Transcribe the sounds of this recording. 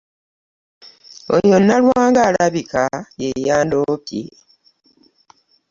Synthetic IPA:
o̰jonːalwaːŋɡaːlaβikajejaːndoːpḛ

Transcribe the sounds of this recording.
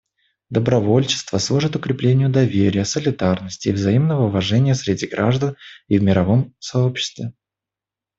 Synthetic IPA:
d̪əbɾɐvo̞lʲt͡ɕɪ̥st̪vəslˠuʐɨt̪ʊkɾʲɪplʲenʲɪjʊd̪ɐvʲeɾʲɪjəsəlʲɪd̪arnəsʲtʲɪːvzɐimnəvəʊvɐʐɛnʲɪjəsɾʲɪdʲiɡɾaʐd̪ənivmʲɪɾɐvo̞msɐopɕːɪ̥st̪vʲɪ

